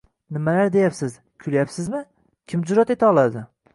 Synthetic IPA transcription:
nɪmalaɾd̪e̞japsɪz | kʲʰʊlajapsɪzmɪ | kʲʰɪmd͡ʒʊɾat̪e̞t̪ʰaɒlˠad̪ɪ

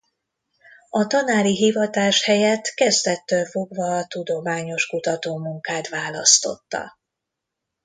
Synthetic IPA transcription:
ɒt̪ɒnaːɾiɦivɒt̪aːʃhɛjɛt̪kɛzd̪ɛt̪ːøːlfo̞ɡvɒt̪ud̪o̞maːɲo̞ʃkut̪ɒt̪oːmuŋkaːt̪ʋaːlɒst̪o̞̰t̪ːɒ̰

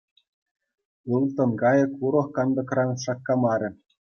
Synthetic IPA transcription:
ɯlˠt̪ɤ̆nkɑjɤ̆kuɾɤ̆χkɑnd̪ɤ̆krɑnʂɑkːɑmɑɾʲɘ̆

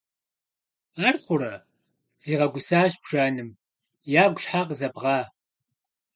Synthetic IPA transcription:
aːrχʷʊɾɐ | z̥iːʁɐɡʷʊsaːʒbʒ̥aːnɨm | jaːɡʷʊɕħaːqzɐbʁɑː

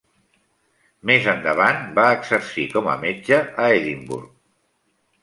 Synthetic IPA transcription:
mezənd̪əβ̞anbaəɡzəɾsikɔmə̰med͡ʒəəeðimbṵɾk

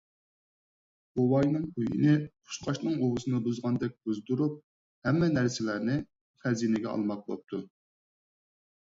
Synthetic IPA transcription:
howɑjnɨŋpʰujḭnɪqʰʊ̥ʃqʰɑʃnɨŋowɨsɨnɨbuzʁɑnd̪ɛk̚ʲb̥uzd̪uɾup̚ | hɛmːɛnæɾsɪlænɪ | χɛzinɪɡʲɛɑ̰lˠmɑq̚bo̰p̚t̪ʰu

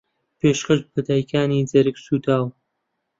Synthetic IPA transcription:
peːʃkɐʃ̚bɨd̪aːjkʰaːniːd͡zɐɾɨksuːt̪ʰaːw

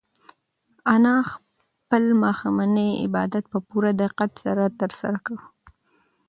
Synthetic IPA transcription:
anɑx | pəlmɑxamanəjɪ̰bɑ̰d̪at̪̚pəpuɾad̪ɪqat̪sa̰ɾat̪əɾsa̰ɾakawu

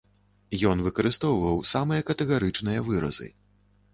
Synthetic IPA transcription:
jɔnvɨkɐɾɨst̪ɔwvɐwsamɨjɐkɐt̪ɛɣaɾɨt͡ʂnɨjɐvɨɾɐ̰zɨ̰

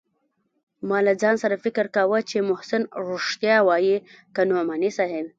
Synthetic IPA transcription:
mɑlad͡zɑnsaɾafɪkɪɾkawət͡ʃemʊhsɪnɾoʂt̪jɑwɑjikanomanisɑɦem

